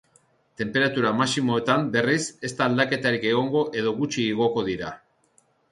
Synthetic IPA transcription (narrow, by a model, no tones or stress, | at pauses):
t̪e̞mpe̞ɾat̪uɾamasimo̞et̪ambe̞rise̞st̪aːld̪ake̞t̪aɾike̞ɣ̞o̞ŋɡo̞ʔe̞ðo̞ɣut͡ʃiːɣ̞o̞ko̞ðiɾa